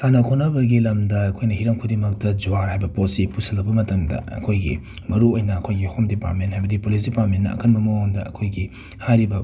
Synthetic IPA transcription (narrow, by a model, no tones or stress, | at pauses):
sanɐkʰonɐbɐɡilɐmdɐɐkʰojnɐhiɾɐmkʰudimɐk̚tɐd͡ʒuaɾhajbɐpot̚sipusɐlɐbɐmɐtɐmdɐ̰ɐ̰kʰojɡḭ | mɐɾuojnɐɐkʰojɡihomdipa̰ɾt̚menthajbɐdipolis̬dipaɾt̚menːɐ̰ɐ̰kʰɐnbɐmooŋdɐʔɐ̰kʰojɡi | hajɾibɐ